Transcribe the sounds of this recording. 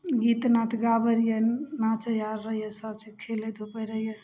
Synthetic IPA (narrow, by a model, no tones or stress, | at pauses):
ɡit̪nat̪ʰɡabəɾijenat͡ʃəjaɾːəɦijəsəbt͡ʃikʰeled̪ʱupəjɾəɦije